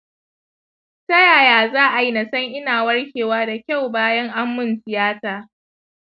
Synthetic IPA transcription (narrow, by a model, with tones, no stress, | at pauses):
tɐ˦jaː˨jaː˨zaː˦ʔa˨ji˦na˨sɐ˦ŋʔɪ˦naː˨wɐ˦rkʲeː˨waː˦da˨kʲa˦˨wbaː˦jɐ˦ŋʔa˦mːʊ˦˨nsɪ˨jaː˦taː˨